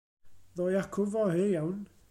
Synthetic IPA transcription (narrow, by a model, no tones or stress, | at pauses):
ðɔjakʰʊvɔhejawn